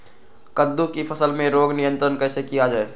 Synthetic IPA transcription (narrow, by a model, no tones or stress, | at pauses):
kəd̪ːukipʰɐsəlmẽɾoːɡnɪjə̃nt̪ɾənkɛːsekijad͡ʒaːe